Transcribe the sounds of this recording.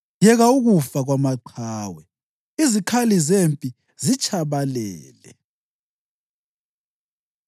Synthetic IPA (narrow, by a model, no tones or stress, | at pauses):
jɛɣauɣufaɣwamaǃʰaːwɛ | izikʰalizempʼi | zit͡ʃʼʰaβalɛːlɛ̰